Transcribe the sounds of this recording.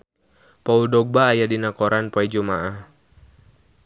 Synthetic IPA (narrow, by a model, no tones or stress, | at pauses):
pauldɔɡ̚baːjadinakɔɾanpid͡ʒumaʔah